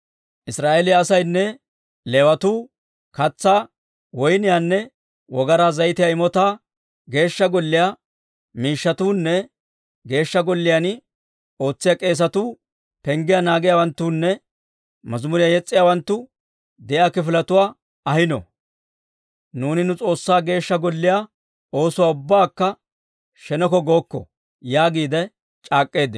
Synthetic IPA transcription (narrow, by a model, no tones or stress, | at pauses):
ʔɪsɾaːʔelɪjaːsɐjnːɛ | lɛwɐt̪uː | kɐt͡sːaː | wɔjnɪjaːnːɛ | wɔɡɐɾaːzɐjɪt̪ɪjaɪmɔt̪aː | ɡe̞ːʃːɐɡɔlːɪja | miːʃːɐt̪uːnːɛ | ɡe̞ːʃːɐɡɔlːɪjan | o̞ːt͡sːɪjakʼe̞ːs̬ɐt̪uː | pɛŋɡɪjanaːɡɪjawɐnt̪ːuːnːɛ | mɐzmʊɾɪjajɛt͡sʼːɪjaːwɐnt̪ːʊ | d̪ɛʔjaːkɪfɪlɐt̪ʊwaː | ɐhɪnɔ̰ | nuːnɪnʊt͡sʼo̞ːsːaːɡe̞ːʃːɐɡɔlːɪja | o̞ːsʊwaːʊbːaːkːɐ | ʃɛnɔkɔɡo̞ːkːɔ̰ | jaːɡiːd̪ɛ | t͡ʃʼaːkʼːe̞ːd̪ɪ